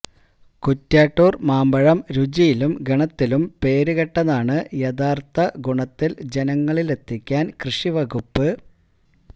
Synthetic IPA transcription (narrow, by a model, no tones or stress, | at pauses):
kutːaːʈːoːrmaːmbɐɻɐmɾud͡ʑijilumɡɐɳɐt̪ːilumpe̞ːɾuɣɐʈːɐðaːɳɨjɐd̪aːrt̪ʰɐɡuɳɐt̪ːild͡ʑe̞nɐŋːɐɭile̞t̪ʰːikʲːaːnkrɨʂiʋɐɣupːɨ